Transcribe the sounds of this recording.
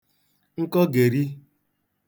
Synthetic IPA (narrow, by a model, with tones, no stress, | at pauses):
ŋ̩˦kɔ˦ɡe˨ɾi˦